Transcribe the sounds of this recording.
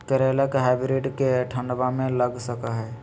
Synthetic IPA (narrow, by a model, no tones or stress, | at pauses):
kəɾelakeɦɛbiɾeʈkeʈʰə̃ɳɖbamẽləɡsəkaɦɛː